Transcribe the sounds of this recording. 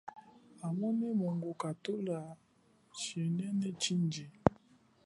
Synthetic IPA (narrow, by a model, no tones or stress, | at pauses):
amɔnimɔŋɡokatola | ʃɛnɛnɛt͡ʃind͡ʒi